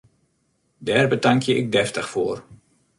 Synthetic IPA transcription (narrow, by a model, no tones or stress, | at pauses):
dɛːrbətaŋkʰjəɪk̚dɛftəxfoːr